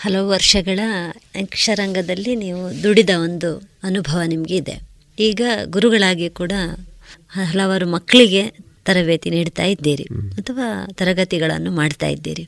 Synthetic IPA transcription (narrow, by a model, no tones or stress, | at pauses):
hɐlɐʋuʋɐɾʂɐɡɐɭɐɐŋkʂɐɾɐŋɡɐd̪ɐlːiniːʋud̪uɽid̪ɐo̞nd̪uɐnubʱɐʋɐnimɐɡeid̪e̞̰ | iːɡɐɡuɾuɡɐɭaːɡikuːɽɐ | ɐɦɐlɐʋaːɾumɐkːɐɭiɡe̞t̪ɐɾɐʋeːt̪iniːɽt̪a̰ːjid̪ːiːɾḭɐt̪ʰɐʋaːt̪ɐɾɐɡɐt̪iɡɐɭɐ̰nːumaːɽt̪a̰ːjḭd̪ːḭːɾi